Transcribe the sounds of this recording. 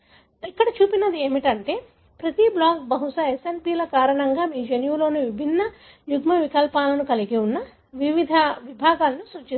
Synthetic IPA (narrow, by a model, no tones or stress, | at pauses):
ikːɐɽɐt͡ʃuːpinɐd̪ie̞ːmiʈɐɳʈe̞ː | pɾɐt̪iblaːkbɐɦusɐesenpiːlɐkaːɾɐɳɐŋɡaːmiːd͡ʒenjuːlo̞ːnuʋibʱinːɐ | juɡmɐʋikɐlpaːlɐnukɐliɡiunːɐ | ʋiʋid̪ʱɐʋibʱaːɡaːlɐnusut͡ʃːi